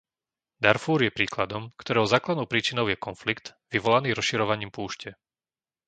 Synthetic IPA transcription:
d̪aɾfuːɾjɛpɾiːklad̪ɔmkt̪ɔɾɛʊzaːklad̪nɔʊpɾiːt͡ʃinɔʊjɛkɔnflikt̪ʋiʋɔlaniːɾɔsʃiɾɔʋaɲiːmpuːʃcɛ

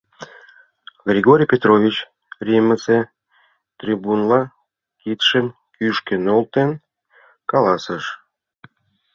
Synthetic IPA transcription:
ɣrʲiɣoɾʲijpʲet̪rovʲit͡ɕ | rʲiməse | t̪rʲibunlɑ | kit̪ʃən | kyʃkenolt̪en | kɑlɑsəʃ

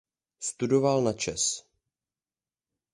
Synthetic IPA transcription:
st̪udovalnat͡ʃɛs

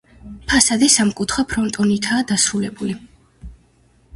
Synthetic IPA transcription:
pʰasad̪ɛsamkʼut̪ʰχwapʰɾɔnt̪ʼɔnit̪ʰaːd̪asɾulɛbuli

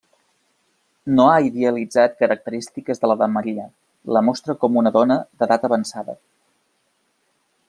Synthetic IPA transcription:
noaiðeəlid͡zat̪̚kəɾək̚t̪əɾist̪ikəzðələðəməɾiə | ləmɔst̪ɾəkɔmunəðɔnəðəðat̪əβənsaðə̰

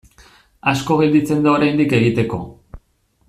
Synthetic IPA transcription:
asko̞ɣeld̪it͡se̞nd̪aoɾajnd̪ike̞ɣ̞it̪e̞ko̞

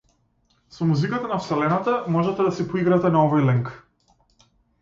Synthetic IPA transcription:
sɔmuzikat̪anafsɛlɛnat̪amɔʒɛt̪ɛd̪asɛpɔiɡɾat̪ɛnaɔvɔjlɛŋk

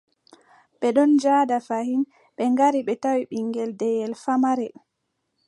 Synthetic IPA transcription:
ɓɛɗɔnd͡ʒadafahin | ɓɛŋɡaɾiɓɛtawiɓiŋɡɛldɛjɛlfamaɾɛ

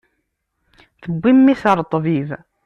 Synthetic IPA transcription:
θəbːimːiθəɾˤt̪ˤːviv

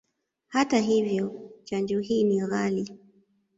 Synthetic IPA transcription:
hataɦivjɔt͡ʃand͡ʒɔɦiːniɣali

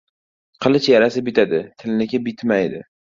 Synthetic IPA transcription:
qʰɨlˠɪt͡ʃjaɾasɪbɪt̪ʰad̪ɪt̪ʰɪlɪnɪkʲabɪt̪ʰmajd̪ɪ

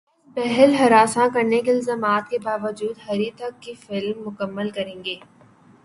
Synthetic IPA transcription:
pɛɦɛlɦɐɾaːsãkɐɾnekeɪlzaːmaːt̪kebaːʋəd͡ʒuːd̪ɦɐɾit̪ɐkːifɪlmːʊkəmːəlkɐɾẽːŋɡeː

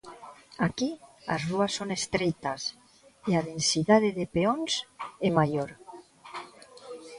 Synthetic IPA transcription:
akia̰zruasːonest̪ɾejt̪as | eaðensit̪aðeðepeonsemajoɾ

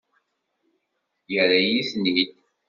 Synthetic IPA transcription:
jəɾæjiθnid̪

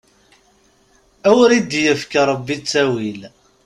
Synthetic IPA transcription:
æwɾid̪jəfkɾˤəbːit͡sːæwil

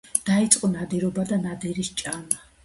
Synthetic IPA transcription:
d̪̥ait̪sʼqʼɔnad̪ɛɾɔbad̪anad̪ɛɾist͡ʃʼama

